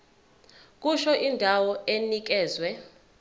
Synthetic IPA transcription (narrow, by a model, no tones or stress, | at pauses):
k̬ʼuʃɔʔindʱawɔenik̬ɛːzwɛ